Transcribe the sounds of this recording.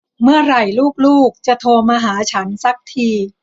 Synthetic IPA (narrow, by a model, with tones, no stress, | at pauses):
mɯ˥˩ɐɾa˨˩jluː˥˩k̚luː˥˩k̚t͡ɕa˨˩t̪ʰoː˧maː˧ɦaː˩˦t͡ɕʰa˦˥nsa˦˥k̚t̪ʰiː˧